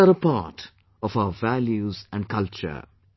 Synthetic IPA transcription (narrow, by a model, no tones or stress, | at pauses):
əɾəpaʈ | ɔfaʊəʋæljuzæ̃ɳɖkʰʌlt͡ʃə̰ɾ